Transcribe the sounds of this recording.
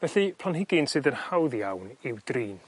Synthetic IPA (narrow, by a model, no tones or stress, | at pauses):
vɛθɨpʰlˠanhɪɡɨnsɨːðənhawðjawnɪwd̥riːn